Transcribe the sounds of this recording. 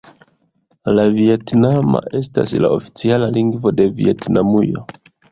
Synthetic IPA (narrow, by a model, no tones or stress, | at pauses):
lavie̞tnama̰ʔe̞sta̰sla̰ofi̥t͡sialaliŋɡvo̞de̞vḭe̞tnamujo̰